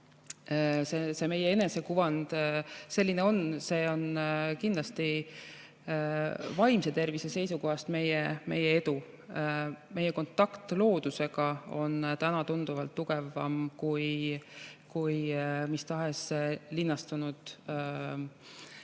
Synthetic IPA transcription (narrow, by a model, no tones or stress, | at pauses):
sese̞me̞jee̞nese̞kuvɑnd̪̥se̞lʲːineo̞nse̞ːo̞nkind̪lɑst̪i | vɑjmse̞t̪e̞rvisese̞jsuko̞ɦɑst̪me̞jeme̞jːee̞d̪u | me̞jːeko̞nt̪ːˑɑkt̪lo̞ːd̪̥use̞ɡ̥ɑo̞̰nt̪ænɑt̪und̪̥uvɑlt̪ːuɡ̥e̞vɑ̰mkuj | kujmist̪ɑɦeslinːɑst̪unud̪̥